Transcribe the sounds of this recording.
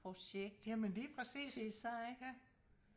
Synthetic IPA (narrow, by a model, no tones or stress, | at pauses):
pʰʁo̝ɕeɡ̥̚d̥æmenliːpʰʁɛsḭːsisɑɪɡ̥ə